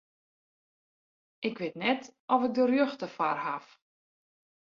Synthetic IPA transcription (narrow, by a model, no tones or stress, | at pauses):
ʔɪkʋɪtnɛtʔɔfək̚dərjøxtəfa̰rhaf